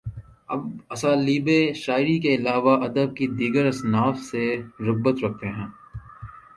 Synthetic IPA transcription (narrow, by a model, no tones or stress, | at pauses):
ɐ̰bɐsaːliːbeʃaːɪɾikeɪlaːʋaʔɐd̪əb̚kid̪iːɡəɾɐsnaːfseɾʊɣbət̪ɾɐk̚ʰt̪eɦɛ̃ː